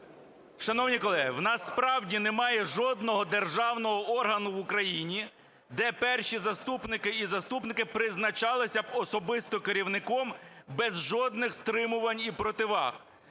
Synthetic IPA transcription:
ʃɐnɔwnʲikɔlˠɛɦɪ̰wnɑspɾɑwdʲinɛmɑjɛʒɔd̪nɔɦɔd̪erʒɑwnɔɦɔʔɔrɦɐnʊʋʊkɾɐjinʲi | d̪ɛpɛrʃizɐst̪upnɪkɪizɐst̪upnɪkɪpɾɪznɐt͡ʃɑlˠɪsʲɐɔsɔbɪst̪ɔkeɾʲiwnɪkɔmbɛzʒɔd̪nɪxst̪ɾɪmʊʋɐnʲipɾɔt̪ɪʋɑ̰x

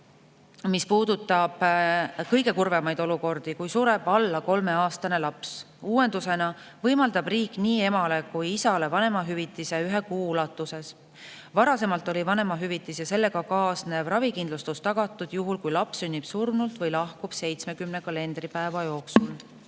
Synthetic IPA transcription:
mispuːd̪ut̪ːˑɑb̥kɤjɡe̞kurve̞mɑjd̪̥o̞luko̞rd̪̥ikujsuɾe̞b̥ɑlːɑko̞lme̞ɑːst̪ɑne̞lɑps | uːe̞nd̪̥use̞nɑ | vɤjmɑld̪ɑb̥riːkːˑniːe̞mɑle̞kujisɑle̞vɑne̞mɑɦyvit̪ːˑise̞yɦekuːlɑt̪ˑːuse̞s | vɑɾɑse̞mɑlt̪ːˑo̞lʲivɑne̞mɑɦyvit̪ːˑisjɑse̞lːe̞ɡɑkɑːsnevrɑvikind̪lust̪ust̪ːɑɡ̥ɑt̪ːˑud̪̥juɦulkujlɑpsynʲːib̥surmnult̪vɤjlɑhkub̥se̞jt̪sme̞kymne̞kɑle̞nd̪ripæe̞vɑjo̞ːksul

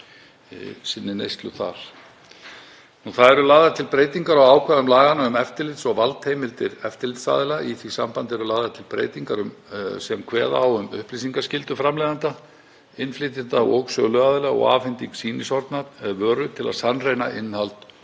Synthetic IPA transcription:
sɪnːɪnejst̪lʏθa̰ɾ̥ | nuθaðɛɾʏlaːɣðat̪ʰɪlpɾeːjt̪iŋkaɾawaːwkʰvɛðʏmlaːɣanaʏmɛft̪ɪlɪt̪sɔɣvalt̪hejmɪlt̪ɪɾɛft̪ɪɾlɪt̪sa̰ːðɪlaʔiθvisampant̪ɛɾʏlaːðat̪ʰɪlpɾḛːjt̪iŋkaɾʏmsɛmkʰvɛ̰ːða̰ːwʏmʏ̰hplisiŋkascɪlt̪ʏfɾamlɛːðant̪a | ɪnflɪːt̪ɪnt̪aɔɣsœːlʏaːðɪlaɔ̰ɣa̰ːfɪnt̪iŋksiːnɪsɔɾt̪naðvœːɾʏt̪ʰɪla̰ðsanrejna̰ʔɪnːhalt̪

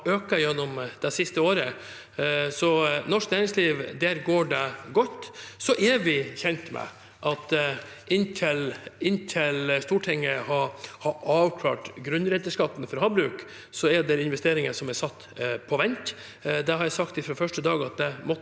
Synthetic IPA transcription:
øːkəjɛnːɔmd̪̥ɛsɪst̪əoːɾə | sɔnɔʂknæːɾɪŋsliːʋd̪æɾɡoːɖɛɡɔt̪ːsɔʔɛɾʋɪçɛnt̪mɛ̰ | ʔɑt̪ | ʔɪnt̪ʰɪlɪnːt̪ʰɪlst̪uːʈʰɪŋːəhɑhɑɑːʋkʰlɑ̰ːʈɡɾʉnɾɛt̪ːəʂkɑt̪ːnfɔɾɦɑːbɾʉːk | sɔɛɖɛɾɪnʋɛst̪eːɾɪŋəʂɔmɛɾsɑt̪ːpʰɔʋɛnt̪ | d̪ɛhɑɾjæsɑkt̪ɪfɾɑːfœʂʈəd̪ɑːɡɑt̪̚d̪ɛmɔ

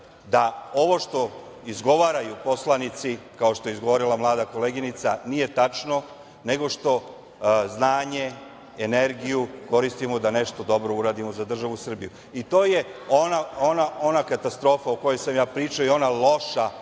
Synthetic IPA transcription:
d̪ao̞ʋo̞ʃt̪o̞ | izɡo̞ʋaːɾajupo̞slˠanit̪sikao̞ʃt̪o̞jeizɡo̞ʋo̞ɾilamlˠaːd̪ako̞leɡinit̪sanije̞t̪at͡ʃno̞ | ne̞ɡo̞ʃt̪o̞ | znaːɲe̞ | ene̞ɾɡijuko̞ɾist̪imod̪ane̞ʃt̪o̞d̪o̞bɾo̞uɾaːd̪imo̞zad̪r̩ʒaʋusr̩biju | it̪o̞ːjeonaonaonakat̪ast̪ɾo̞ːfauko̞jesamjaːpɾiːt͡ʃaojeo̞nalˠo̞ʃa

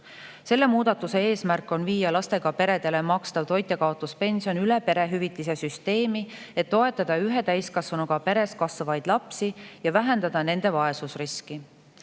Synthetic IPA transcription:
se̞lːe̞muːd̪ɑt̪ːˑuse̞e̞ːsmærkːˑo̞nviːjɑlɑst̪e̞ɡ̥ɑpe̞ɾe̞d̪̥e̞le̞mɑkst̪ɑvt̪o̞jt̪ːˑekɑot̪ːˑuspe̞nʲsijo̞nylepe̞ɾe̞ɦyvit̪ːˑise̞syst̪e̞ːmi | e̞t̪ːo̞e̞t̪ːˑɑd̪̥ɑyɦe̞t̪æjskɑsvunuɡ̥ɑpe̞ɾe̞skɑsɑvɑjd̪̥lɑpsijɑvæɦe̞nd̪ɑd̪̥ɑne̞nd̪̥e̞vɑe̞susriski

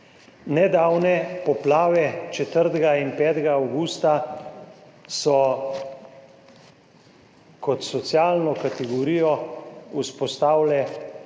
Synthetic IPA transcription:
nɛd̪aːwnɛpɔplaːʋɛt͡ʃɛt̪əɾt̪ɡainpɛːt̪ɡaːwɡuːst̪a | sɔ | kɔt̪sɔt̪sjaːlnɔkat̪ɛɡɔɾiːjɔuspɔst̪aːwlɛ

